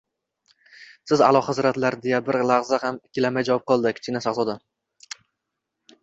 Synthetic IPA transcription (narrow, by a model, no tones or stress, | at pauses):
sɪza̰lˠɒχazɾat̪laɾd̪ejabɪɾlˠaʁzahamɪkʲʰːɪlamajd͡ʒavɒp̚qɒlˠd̪ɪkʲʰɪ̥t͡ʃʰʲɪnasaʁzɒd̪a